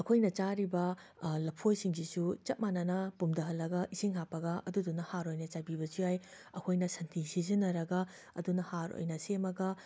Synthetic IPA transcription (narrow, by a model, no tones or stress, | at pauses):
ɐkʰojnɐt͡ʃaɾibɐlɐpʰojsiŋsisut͡ʃɐt̚manɐnɐpumdɐɦɐlːɐɡɐʔisiŋɦapɐɡɐɐdudunːɐhaɾojnɐt͡ʃabibɐt͡ʃiaj | ɐkʰojnɐsɐntʰisizinɐɾɐɡɐ | ɐ̰dunɐhaɾo̰jnɐsemɐɡɐ